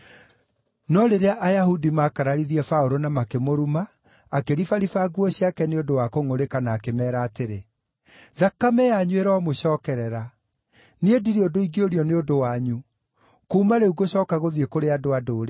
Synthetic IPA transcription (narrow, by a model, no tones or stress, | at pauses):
nɔɾeɾeaʔajahudimaːkaɾaɾiɾiɛfaoɾonamakemoɾumaː | keɾifaɾifaɡuɔɕiakɛneodowakoŋoɾekanaːkemɛːɾaːteɾe | ðakamɛaɲweɾaɔmoɕɔːkɛɾɛɾa | niediɾeodoiɡeoɾiɔneodowaɲu | kuːmaɾeuɣoɕɔːkaɣoðiekoɾeadoadoːɾe